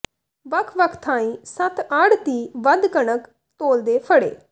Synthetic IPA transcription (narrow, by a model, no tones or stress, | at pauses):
ʋəkʰʋəkʰt̪ʰãːĩːsət̪əɽt̪iːʋəd̪kəɳək | t̪oːld̪eːpʰəɽḛː